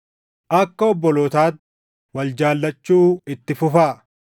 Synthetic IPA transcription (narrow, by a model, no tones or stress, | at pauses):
ʔɐkːɐɔbːɔlɔt̪aːt̪ | wɐld͡ʒaːlːɐt͡ʃːuːɪt̪ːɪfʊfaː